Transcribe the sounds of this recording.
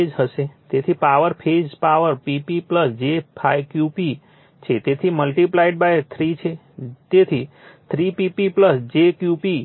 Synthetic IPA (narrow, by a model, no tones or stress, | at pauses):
ed͡ʒɦəset̪et̪ʰipaʋəɾpʰed͡ʒpaʋəɾpipipləsd͡ʒepʰajkjupi | t͡ʃʰet̪et̪ʰiməlʈiplaiʈ̚bajt̪ʰɾit͡ʃʰe | t̪et̪ʰi | t̪ʰɾipipipləsd͡ʒekjupi